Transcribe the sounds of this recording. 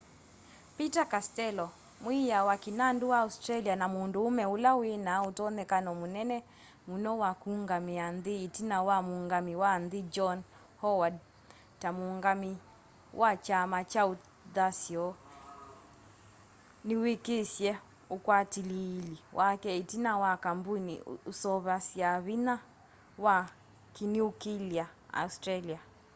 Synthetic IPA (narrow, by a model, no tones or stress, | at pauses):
pitakastɛlɔ | mwijawakinanduwaustɾalianamunduːmɛulawenautɔnɛkanɔmunɛnɛ | munɔwakuŋɡamianðiːtinawamuŋɡamiwanðid͡ʒɔn | hɔwad | tamuŋɡami | wʔat͡ʃamat͡ʃau | ðasjɔ | niwikesjɛ | ukwatililiwʔakɛitinawakambunḭusɔβasjaβina | wa | kiniukiliaa̰ustɾalia